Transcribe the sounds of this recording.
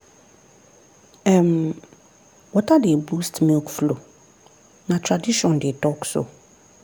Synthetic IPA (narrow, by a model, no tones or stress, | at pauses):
ɛm | wɔtʰadɪɛbustmɪ̃kflo | nãtʰɾadiɕɔ̃ndɪtʰɔksʊ̰